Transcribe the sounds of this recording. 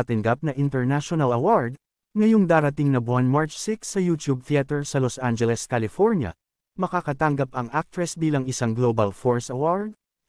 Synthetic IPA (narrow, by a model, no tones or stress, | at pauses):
ɐt̪ɐŋɡap̚nɐʔɪnt̪ɛɹnaʃonɐlɐwaɹd̪̚ | ŋɐjoŋd̪aːɾɐt̪iŋnɐbwanmaɹt͡ʃsɪksːɐjuːt̪jub̚t̪ɪat̪ɛɹsɐlosʔand͡ʒɛlɛskalɪfoɹnjɐ̰ | mɐkakɐt̪aŋɡɐpɐŋʔak̚t̪ɾɛsbiːlɐŋɪsaŋɡlobɐlfoɹsɐwaɹd̪̚